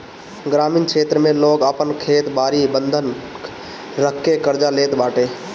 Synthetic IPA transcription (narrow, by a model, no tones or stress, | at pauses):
ɡɾaːmiːnkʰeːt̪ɾəmẽloːɡəpənkʰeːt̪baːɾibə̃nd̪ʱən | ɾəkʰːekəɾd͡ʒaleːt̪baːʈeː